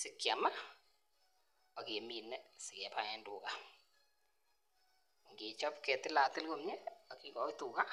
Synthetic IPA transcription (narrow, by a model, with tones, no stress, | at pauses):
sɪ˨kja˨ma˦ | ɔ˨ke˨mi˨nɛ˦sɪ˨kɛ˨pa˨ɛ˦ndʊ˨ka˦˨ | ŋɡe˨t͡ʃɔ˦pkɛ˨tɪ˦la˨tɪ˦lɡo˦mɲɛ˦ɔ˨ki˦kɔ˨˦tu˨ka˦